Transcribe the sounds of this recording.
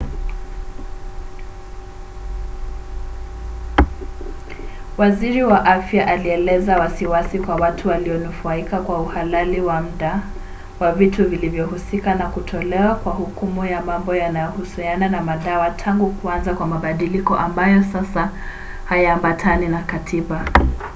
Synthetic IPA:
waziɾiwaʔafjaʔaliɛlɛzawasiwasikwawatʰuwaliɔnufaikakwauhalaliwam̩ɗa | wavituvilivjɔhusikanakutʰɔlɛwakwahukumujamambɔjanajɔhusiananamaɗawatʰaŋɡukuanzakwamaɓaɗilikɔʔambajɔsasa | hajaːmbatʰaninakatʰiɓa

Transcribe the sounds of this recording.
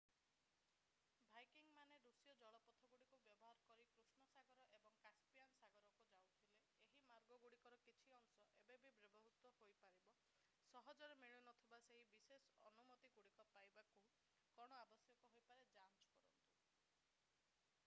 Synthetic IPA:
bʱajkiŋmaneɾusjɔd͡ʒɔɭɔpɔt̪ʰɔɡuɽikubjɔbɔɦaɾɔkɔɾikɾusɳɔsaɡɔɾɔʔebɔŋkaspijansaɡɔɾɔkud͡ʒawt̪ʰile | eɦimaɾɡɔɡuɽikɔɾɔkit͡ʃʰiɔŋsɔʔebebʱibɾebʱɔɦut̪wɔɦojpaɾibɔ | sɔɦɔd͡ʒɔɾemiɭinɔt̪ʰibaseɦibisesɔɔnumɔt̪iɡuɽikɔpajbaku | kɔɽ̃ɔabɔsjɔkɔɦojpaɾed͡ʒant͡ʃɔ̥kɔɾɔnt̪u

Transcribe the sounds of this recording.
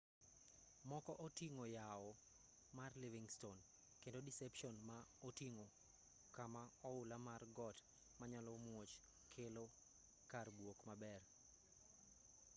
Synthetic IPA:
mɔkɔʔotiŋojaɔ | marliviŋston | kendodisɛpʃɔnmaotiŋo | kamaɔʊlamarɡɔt | maɲalɔmwot͡ʃ | kʰelo | karbwokmabɛr

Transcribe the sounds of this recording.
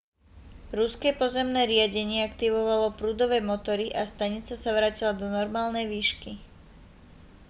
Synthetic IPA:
ɾuskɛpɔzɛmnɛːɾɪaɟɛɲɪɛakt̪iʋɔʋalɔpɾuːd̪ɔʋɛːmɔt̪ɔɾiʔast̪aɲit͡sasaʋɾaːcilad̪ɔnɔɾmaːlnɛjʋiːʃki

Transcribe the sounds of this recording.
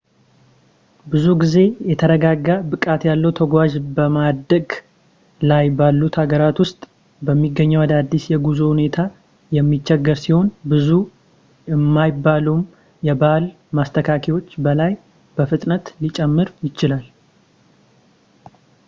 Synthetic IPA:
bɨzuɡize̞jɛt̪ʰəɾəɡaɡːabɨkʼat̪jalːəwt̪ʰəɡʷaʒbəmad̪əɡ | lajbalːut̪ʰhaɡəɾat̪wʊst̪ʼ | bəmːiɡːəɲːəwad̪ad̪ːisjɛɡuzohune̞t̪ʰa | jɛmːit͡ʃːɛɡːəɾsiho̞nbɨzu | ɛmːajbːalum | jɛbal | mast̪ʰəkʰakʰiwo̞t͡ʃːbəlaj | b̥əfɨt̪ʼnət̪lit͡ʃʼɛmːɨɾjɪt͡ʃːɪlal

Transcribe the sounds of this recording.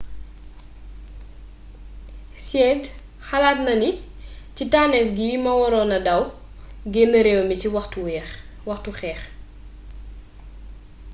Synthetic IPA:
sɛːd | xɐlaːt̚nɐni | citaːnɛfɡiːmɐwɔɾɔnɐdɐw | ɡɛnəɾɛwmiciwɐtuɛ | wɐxtuxɛːx

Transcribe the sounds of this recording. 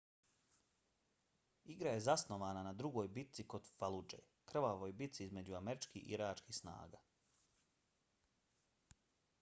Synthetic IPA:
iɡɾaje̞zasno̞ʋaːnanad̪ɾuɡo̞ːjbit̪siko̞d̪falˠud͡ʒḛ | kr̩ʋaʋojbit̪t̪siizme̞d͡ʑuameɾit͡ʃkiḭɾaːt͡ʃkihsna̰ːɡa̰

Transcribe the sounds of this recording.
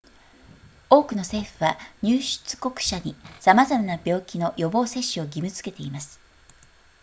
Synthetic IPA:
o̞ːkɯ̟no̞se̞ːɸɯ̟βaɲ̟ʲɨːɕɨ̥t͡sɨ̥ko̞kɯ̟̥ɕaɲ̟isamazamanabʲjo̞ːkʲino̞jo̞bo̞ːse̞ɕːɨo̞ɡʲimɯ̟t͡sɨ̥ke̞t̪e̞imasɨ̥

